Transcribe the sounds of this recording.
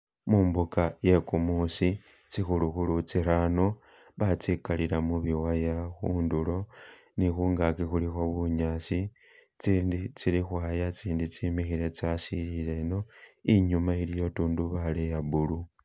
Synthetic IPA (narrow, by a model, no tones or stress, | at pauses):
muːmbukaje̞kumusi | t͡sixuluxulut͡siɾano̞ | βat͡sikalilamuβiwajaxuːndulo̞ | nixuːŋɡakixulixo̞βuɲasi | t͡siːndit͡silixwaːjat͡siːndit͡simixiɾe̞t͡sasilile̞no̞iɲumailijo̞tuːnduβalejaβulu